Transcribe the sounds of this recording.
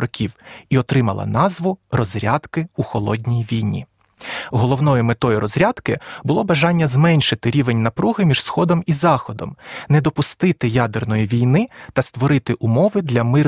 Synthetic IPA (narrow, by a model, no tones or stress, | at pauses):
ɔkʲiwiɔt̪ɾɪmɐlˠɐ̰nɑzʋʊrɔzʲɾʲɑd̪kɪuxɔlˠɔd̪ʲnʲijʋʲijnʲḭ | ɦɔlˠɔwnɔjʊmet̪ɔjiɾɔzɾʲad̪kɪbʊlˠɔbɐʒɑnʲːɐzmɛnʲʃɪt̪ɪɾʲiʋenʲnɐpɾuɦɪmʲiʒsxɔd̪ɔmizɑxɔd̪ɔ̰mnɛd̪ɔpʊst̪ɪt̪ɪjɑd̪ernɔjiʋʲijnɪt̪ɐst̪ʋɔɾɪt̪ɪʔumɔʋɪd̪lʲɐmɪ